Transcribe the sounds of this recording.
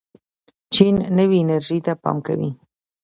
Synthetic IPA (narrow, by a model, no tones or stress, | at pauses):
t͡ʃinːəwiːnaɾʒit̪apɑ̰mka̰wḭ